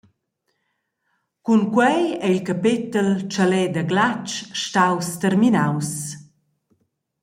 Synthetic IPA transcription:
kunkwɛjɛilkapɪt̪əlt͡ʃalɛd̪aɡlat͡ʃʃtawst̪ɛɾrminaws

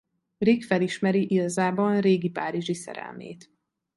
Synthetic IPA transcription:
rikfɛliʃmɛɾiʔiɡɒzaːbɒnreːɡipaːɾiʒisɛ̰ɾɛ̰lmḛːt̪

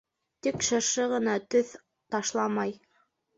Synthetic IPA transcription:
t̪ikʃɤ̆ɾʃɤʁɤ̆nɑt̪ɵθ | t̪ɑʃlˠɑmɑj

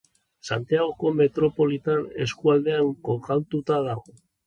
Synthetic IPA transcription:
sa̰nt̪iaɣ̞o̞ko̞me̞t̪ɾo̞po̞lit̪ane̞̰skuald̪e̞aŋkokalt̪ut̪aðaɣo

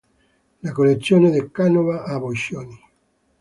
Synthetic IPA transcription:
lakolːet̪sːjoːned̪ekːanovaʔabojʃjoni

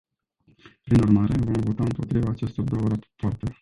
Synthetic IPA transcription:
pɾinurmaɾe̞vo̞mvo̞t̪aɨmpo̞t̪ɾivaːt͡ʃest̪ord̪o̞wəɾapart̪e̞

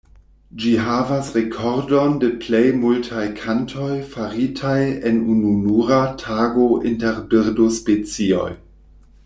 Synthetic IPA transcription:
d͡ʒiɦavasʁekʰoɾdondeplejmultʰajkʰantʰo̞jfaɾitʰajenununuɾatʰaːɡoʔinteɾbiɾdospet͡sio̞̰j

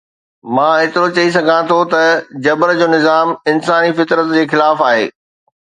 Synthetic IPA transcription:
mãːɦɪt̪ɪɾot͡ɕɐis̬ɐɡʱãt̪ʰot̪ɐd͡ʑɐbɾd͡ʑoːnɪzaːmɪnsaːnifɪt̪ɾət̪d͡ʑeːxɪlaːfaːɦḛː

